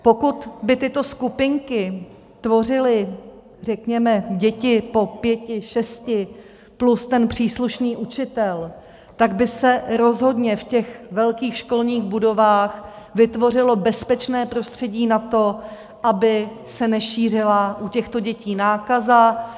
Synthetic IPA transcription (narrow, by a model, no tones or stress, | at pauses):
po̞kut̪bɪt̪ɪt̪o̞skupɪŋkɪ | t̪vo̞r̝ɪlɪ | r̝ɛkɲɛmɛɟɛcɪpo̞pjɛcɪʃɛscɪ | plust̪ɛnpr̝̥iːsluʃniːʔut͡ʃɪt̪ɛl | t̪aɡbɪsɛɾo̞zɦo̞dɲɛfcɛxvɛlkiːxʃko̞lɲiːxbudo̞vaːx | vɪt̪vo̞r̝ɪlo̞bɛspɛt͡ʃnɛːpɾo̞st̪r̝̥ɛɟiːnat̪o̞ | ʔabɪ | sɛnɛʃiːr̝ɪlaʔucɛxt̪o̞ɟɛciːnaːkaza